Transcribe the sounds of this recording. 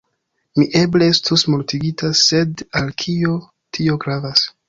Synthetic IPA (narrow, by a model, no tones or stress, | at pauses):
miʔe̞blee̞stusmultiɡitʰase̞dalkʰio̞ | tʰio̞ɡɾavas